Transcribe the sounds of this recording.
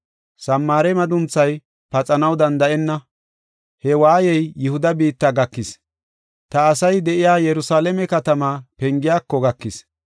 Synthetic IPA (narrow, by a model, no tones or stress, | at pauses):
sɐmːaːɾɛmɐd̪ʊnt͡sːɐj | pɐt͡sʼɐnɐwd̪ɐnd̪ɐʔɛnːɐ | hɛwaːjɛjjːʊhʊd̪ɐbiːt̪ːaɡɐkːɪs | t̪ɐːsɐjd̪ɛʔɪjaːjɛɾʊsaːlɛmɛkɐt̪ɐmaːpɛŋɡɪjaːkːɔɡɐkːɪs